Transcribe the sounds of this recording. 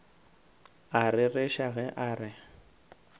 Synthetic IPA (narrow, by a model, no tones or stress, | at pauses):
arɪreʃaɣɛʔaːrɪ